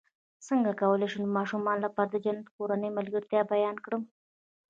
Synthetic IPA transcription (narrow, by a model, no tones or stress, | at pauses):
səŋɡakawəleʃunomɑʃumɑnlapɑɾad̪əd͡ʒanat̪koɾanəjmalɡəɾt̪jɑbajɑnkɽəm